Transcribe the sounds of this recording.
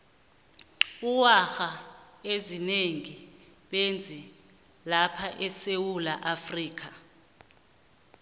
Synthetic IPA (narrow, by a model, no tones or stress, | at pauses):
uwaxaezineŋi | ɓend͡zʱi | lapʰaʔɛsewulaʔafriːk̬a